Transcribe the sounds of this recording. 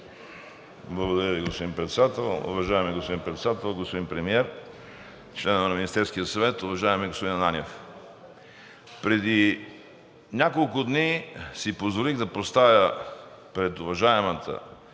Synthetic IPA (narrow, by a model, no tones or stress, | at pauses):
blˠɐɡod̪ɐɾjəviɡospod̪impɾɛt̪sɛd̪at̪ɛlˠʊ̰vɐʒaɛmiɡospod̪inpɾɛt̪sɛd̪at̪ɛlˠɡospod̪inpɾɛmiɛɾ | t͡ʃlɛnəvənɐminist̪ɛɾskijəsɐvɛt̪ʊvɐʒaɛmɛɡospod̪inɐnanʲɛf | pɾɛd̪i | nʲakolˠkʊd̪nisipozvoliɣd̪ɐpost̪avʲjə | pɾɛt̪ʊvɐʒaɛmət̪ʰə̰